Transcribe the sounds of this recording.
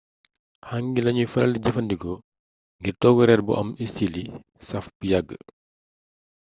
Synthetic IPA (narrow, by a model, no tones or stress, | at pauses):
haŋɡilɐɲufɐlɐ̰liɟɐfɐndikɔ | ŋɡirtɔːɡɔɾɛrbṵʔɐ̰misili | sɐfbujaɡːə̰